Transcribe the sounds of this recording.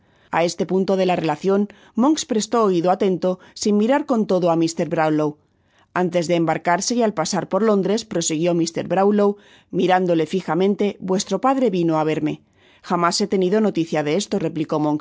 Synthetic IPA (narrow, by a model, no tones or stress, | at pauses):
a̰e̞st̪e̞punt̪o̞ð̞e̞lare̞laθjo̞n | mo̞ŋkspɾe̞st̪oːiðoat̪e̞nt̪o̞simmiɾaɾko̞nt̪o̞ðoamist̪e̞ɾβɾawlow | ant̪e̞zðe̞ːmbaɾkaɾse̞ialpasaɾpo̞ɾlo̞nd̪ɾe̞spɾo̞siɣ̞jo̞mist̪e̞̰ɾβɾawlow | miɾand̪o̞le̞fixamẽ̞nt̪e̞bwe̞st̪ɾo̞paðɾe̞βinoaβ̞e̞ɾme̞ | xamase̞t̪e̞nið̞o̞no̞t̪iθjaðe̞e̞st̪o̞re̞pliko̞moŋks